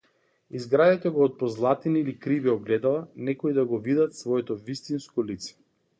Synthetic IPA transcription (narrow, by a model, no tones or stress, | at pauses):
izɡɾad̪at̪ɛɡɔːt̪̚pɔzlˠat̪iniːlikɾiviɔɡlɛd̪alˠanɛkɔid̪aɡɔvid̪at̪svɔɛt̪ɔvist̪inskɔlit̪sɛ̥